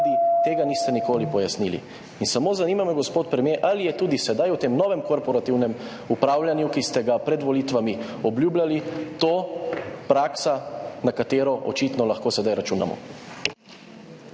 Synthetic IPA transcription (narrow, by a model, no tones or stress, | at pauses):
d̪it̪eːɡaniːst̪ɛnikoːlipɔjasnilḭ | insamoːzaniːmamɛɡɔspoːt̪pɾɛmjeʔalijɛt̪uːd̪isɛd̪ajut̪emnɔʋɛmkoɾpɔɾat̪iwnɛm | upɾaːwljanjukist̪ɛɡapɾɛd̪ʋɔlit̪ʋami | ɔbljuːblʲalit̪oːpɾaːksanakat̪eːɾɔʔɔ̰t͡ʃit̪nɔlaxkoːsɛd̪ajɾat͡ʃuːna̰mɔ̰